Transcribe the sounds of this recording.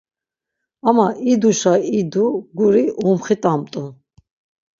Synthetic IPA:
amaʔid̪uʃaid̪uɡuɾiumχit̪ʼamt̪ʼu

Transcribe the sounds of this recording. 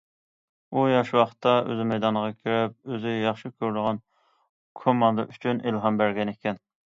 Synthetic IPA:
ujɑʃwɑχt̪ʰːɑø̰zmɛjd̪ɑnəʁɑkʲʰiɾɛp̚øzɪjɑχʃɨkʲʰøɾd̪ɨʁɑn | kʰomːɑnd̪ɑʔyt͡ʃʰynʔelɦɑmbæɾɡʲɛnekʲʰɛn

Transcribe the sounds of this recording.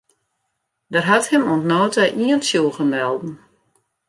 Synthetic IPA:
dərɦathɪmuntnoːtaʔiəntsjuɣəmɛlˠdn̩

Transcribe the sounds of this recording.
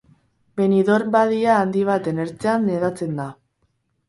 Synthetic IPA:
be̞niðo̞ɾbaðiaːnd̪iβ̞at̪e̞neɾt͡seanːeðat͡se̞nd̪a

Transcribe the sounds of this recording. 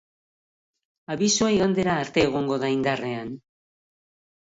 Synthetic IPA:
aβisuaiɣond̪e̞ɾaːɾt̪e̞ːɣ̞o̞ŋɡo̞ðaind̪are̞an

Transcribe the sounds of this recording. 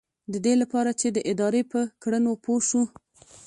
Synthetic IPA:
d̪əd̪elapɑɾat͡ʃed̪əʔɪd̪ɑɾepəkɽənopoʃu

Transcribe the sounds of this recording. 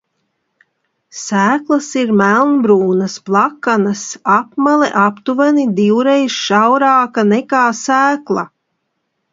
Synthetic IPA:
sæːklˠɐsiɾmælˠnbɾuːnɐsplˠakːanɐsapmalˠɛ̰ʔapt̪uvanid̪iwɾejsʃawɾaːkanɛkaːsæːklˠa̰

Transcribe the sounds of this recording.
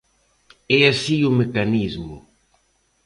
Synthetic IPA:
ɛasiʊmekanizmʊ̰

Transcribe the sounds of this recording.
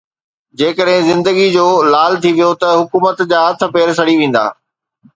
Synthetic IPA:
d͡ʑeːkəɗɦɪ̃zɪ̃nd̪əɡid͡ʑoːlaːlt̪ʰiʋijot̪ɐɦʊkuːmət̪d͡ʑaːɦɐt̪ʰə̆peːɾs̬ɐɽiʋẽːn̆d̪a̰ː

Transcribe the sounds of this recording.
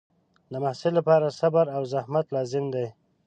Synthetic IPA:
d̪əmahsɪlːapɑɾasabaɾawzahmat̪lɑzɪmd̪aj

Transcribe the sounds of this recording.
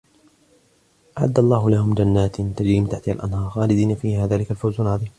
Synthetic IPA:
ʔaʕa̰d̪ːalˤːɑːɦʊlahʊmd͡ʒanːaːt̪nt̪ad͡ʒɾiːmɪt̪aħt̪ɪha̰lʔanhɑːɾˤxaːlɪd̪iːnafiːhaːðaːlɪkalfawzanʕɑðˤiːm

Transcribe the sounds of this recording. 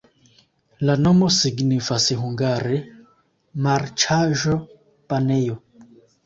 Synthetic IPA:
lanɔmɔsiɡnifasiɦuŋɡaɾɛ | mart͡ʃʰaʒɔ | panɛjɔ

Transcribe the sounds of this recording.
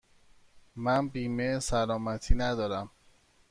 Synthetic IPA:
mænbiːmesælɒːmæt̪ʰiːnæd̪ɒːɾæm

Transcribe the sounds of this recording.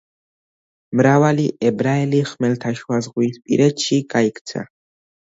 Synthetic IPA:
mɾavaliʔɛbɾaɛliχmɛlt̪ʰaʃwazʁwiːspʼḭɾɛt̪ʃiɡ̥aikʰt̪sʰa̰

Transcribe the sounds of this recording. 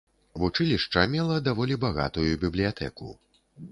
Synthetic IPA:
vut͡ʂɨlʲiʂt͡ʂɐmʲɛlˠɐd̪avɔlʲibaɣa̰t̪ujubʲiblʲijat̪ʰɛ̰kṵ

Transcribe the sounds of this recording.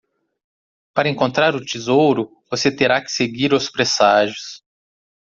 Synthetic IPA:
paɾɐẽŋkõnt̪ɾaɾʊt͡ʃizowɾʊ | voset̪eɾakɪ̥seɡiɾʊspɾesaʒʊs

